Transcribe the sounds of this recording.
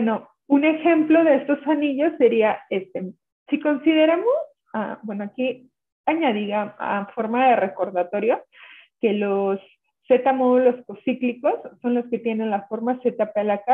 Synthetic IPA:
eno̞ | une̞xe̞mplo̞ðe̞est̪o̞saniʝo̞sːe̞ɾiaest̪e | siko̞nsiðe̞ɾamos | a̰bwe̞no̞aki | aɲaðiɣaa̰fo̞ɾmaðe̞re̞ko̞ɾðat̪o̞ɾjoke̞lo̞sː | e̞t̪amo̞ðulo̞sko̞sikliko̞sːo̞nlo̞ske̞t̪je̞nẽ̞nlasfo̞ɾmaset̪apelaka

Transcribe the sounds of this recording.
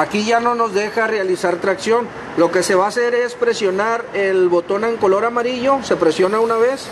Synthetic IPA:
akiʝano̞no̞zðe̞xarealisaɾt̪ɾaksjo̞n | lo̞ke̞se̞βaːse̞ɾe̞spɾe̞sjo̞naɾelβo̞t̪o̞neŋko̞lo̞ɾamaɾiʝo̞se̞pɾe̞sjo̞naunaβe̞s

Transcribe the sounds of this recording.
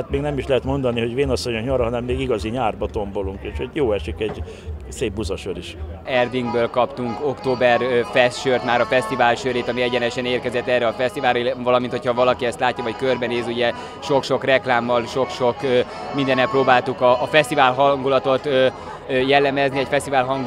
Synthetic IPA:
at̪meːɡnɛmiʃlɛɦɛt̪mo̞nd̪ɒniɦoɟveːnɒsːoɲokɲɒɾɒɦɒnɛmːeːɡiɡɒziɲaːrbɒt̪ombo̞luŋkeːʃhoɟjoːɛʃikɛɟ | seːb̚bːuzɒʃøɾiʃɛrd̪iŋɡbøːlkɒpt̪uŋko̞kt̪oːbɛrfɛst̪ʃørt̪maːɾɒfɛst̪ivaːlʃøɾeːt̪ɒmiɛɟɛnɛʃɛneːrkɛzɛt̪ːɛrːɛɒfɛst̪ivaːlrivɒlɒmint̪ho̞cʰhɒvɒlɒkiɛst̪laːcːɒvɒckørbɛneːzuɟɛ | ʃo̞kʃo̞krɛklaːmːɒlʃo̞kʃo̞k | mind̪ɛnɛproːbaːlt̪ukɒːfɛst̪ivaːlɦɒŋɡulɒt̪o̞t̪ː | jɛlːɛmɛzniɛcfɛst̪ivaːlɦɒŋɡ

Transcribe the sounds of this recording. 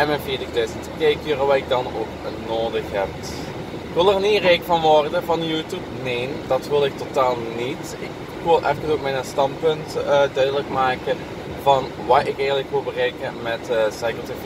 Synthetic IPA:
ɛnmɛnviːdək̚døstkejkiːrəʋaːɪk̚dɑno̰ːknoːdəxɦɛp̚ | ɪkʋɪlˠərniəreːkfɑnʋɔrdəvɑnjuːtupneːndɑtʋɪlˠɪk̚totaːlˠnit | ɪk | ʋɪlˠʔɛftənsoːk̚mɛnəstɑnt̚pɵntdœɥdələkmaːkə | vɑn | ʋaːjɪkɛjxəntləkʋɪlˠbərejkəmɛtsɑjkəlˠtɪf

